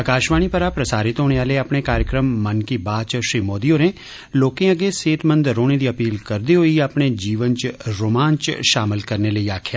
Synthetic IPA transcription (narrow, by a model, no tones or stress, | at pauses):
əkaːʃʋaːñiːpəɾaːpɾəsaːɾɪt̪ɦoːɽeːʋaːleːəpɳ̃eːkaːɾjəkɾəmːənkiːbaːt͡ʃʃɾiːmoːd̪iːoːɾẽː | loːkẽːəɡeːseːt̪mənd̪ɾoːɽ̃ẽːd̪iːəpiːlkəɾd̪eːɦoiːəpɳeːd͡ʒiːʋənt͡ʃɾoːmaːnt͡ʃʃaːmɪlkəɾneːləiːaːkʰjaː